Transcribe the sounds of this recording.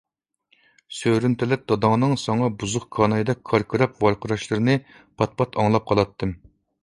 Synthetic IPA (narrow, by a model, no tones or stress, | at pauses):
søɾynt̪ʰɪlɛp̚d̪ɑd̪ɑŋnɨŋsɑŋɑbuzʊqkʰɑnɑjɨd̪ɛk̚ʲkʰːɑɾkʰɨɾɑpvɑɾqʰəɾɑʃlˠɨɾɨnɨ | pʰɑt̪̚pʰɑt̪ʰɑŋlˠɑp̚qʰɑlˠɑt̪ʰːɨm